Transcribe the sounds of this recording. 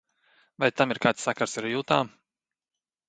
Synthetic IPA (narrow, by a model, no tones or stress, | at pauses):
vajt̪amiɾkaːt̪sːakaɾsaɾjuwt̪aː